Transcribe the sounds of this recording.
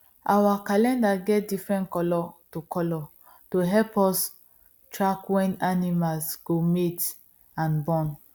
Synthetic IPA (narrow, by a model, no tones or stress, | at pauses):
ʔawakalɛ̃ndaɡɛt̚difɹɛ̃ntkɔlɔtukʰɔlɔ | toɦɛlpɔs | tɹakwɛ̃nanimalsɡ̥omet | ãnbɔ̃n